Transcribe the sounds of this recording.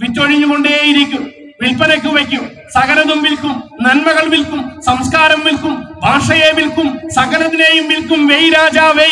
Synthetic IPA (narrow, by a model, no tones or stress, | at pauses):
ʋitːoɻiɲːuɣo̞ɳɖeːjiɾikʲːum | ʋilpɐnɐkʲːɨʋekʲːum | sɐɣɐnɐðumʋilkumnɐnmɐɣɐɭʋilkumsɐmskaːɾɐmʋilkumbʱaːʂɐjeːʋilkumsɐɣɐnɐðine̞ːjumʋilkumʋejɾaːd͡ʑaːʋe